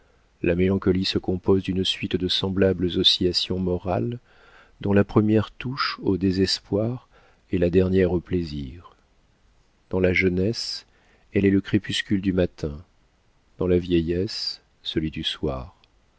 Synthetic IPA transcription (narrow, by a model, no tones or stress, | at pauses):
lamelɑ̃kɔlisəkɔ̃pozd̪ynsɥit̪d̪əsɑ̃blabləzɔsiasjɔ̃mɔʁa̰l | d̪ɔ̃lapχəmjɛʁt̪uʃod̪ezɛspwaʁ | ɛlad̪ɛʁnjɛʁopleziʁ | d̪̥ɑ̃laʒənɛs | ɛlɛləkχepyskʲyld̪ymat̪ʰɛ̃ | d̪̥ɑ̃lavjɛjɛsː | əlɥid̪yswa̰ːʁ